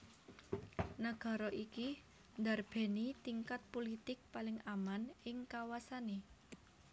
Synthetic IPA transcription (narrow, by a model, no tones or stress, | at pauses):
naɡ̥a̤ɾɔʔiki | nd̪arb̥ɛ̤nit̪iŋkat̪̚polit̪ɪk̚palɪŋamanɪŋkawasane